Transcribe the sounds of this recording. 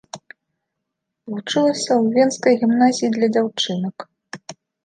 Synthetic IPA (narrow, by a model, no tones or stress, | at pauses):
vut͡ʂɨlˠɐsʲɐwvʲenskɐjɣʲimnazʲijid̪lʲɐd͡zʲawt͡ʂɨnɐk